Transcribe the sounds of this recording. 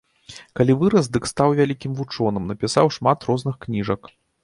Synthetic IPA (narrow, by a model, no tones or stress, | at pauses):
kalʲivɨɾɐzd̪ɨkst̪awvʲalʲikʲimvut͡ʂɔnɨmnɐpʲisawʂmat̪ɾɔznɨxknʲiʐɐk